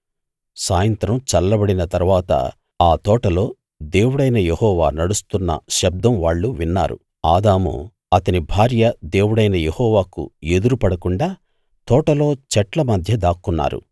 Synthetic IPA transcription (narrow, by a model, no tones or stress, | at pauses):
saːjɐnt̪ɾɐmt͡ʃɐlːɐbɐɽinɐt̪ɐɾuʋaːt̪ɐ̰ | aːt̪ɔːʈɐlo̞ː | d̪e̞ːwuɽɐjnɐjehɔːʋa̰ːnɐɽust̪unːɐ̰ʃɐb̚d̪ɐmʋaːɭːuʋinːa̰ːɾṵ | aːd̪aːmṵ | ɐt̪ɐnibʱaːɾjɐd̪e̞ːwuɽɐjnɐjehɔːʋaːkṵe̞d̪uɾupɐɽɐkuɳɖaː | t̪ɔːʈɐlo̞ːt͡ʃɛʈlɐmɐd̪ʱjɐd̪aːkːunːa̰ːɾṵ